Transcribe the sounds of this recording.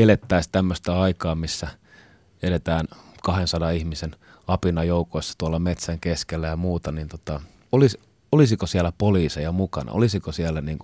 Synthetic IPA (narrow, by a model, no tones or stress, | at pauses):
elet̪ːæist̪æmːøst̪æɑikɑːmisːæ | eɾet̪æːnkɑhensɑdɑihmisen | ɑpinɑjoukoisːɑ̥t̪uɑlːɑmet̪sæŋkeskelːæjɑmuːt̪ɑniːnt̪ot̪ɑ | olis | olisikosiælæpoliːsejɑmukɑ̰nɑ̰ʔo̰lisikosiælːˑæniːŋku